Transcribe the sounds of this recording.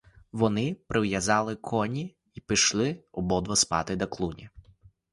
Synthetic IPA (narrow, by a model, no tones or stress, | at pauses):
ʋɔnɪpɾʔɪwjɐzɑlˠɪkʰɔnʲi | ipɪʃlˠɪɔbɔd̪ʋɐspɑ̰t̪ɪd̪ɐklˠunʲi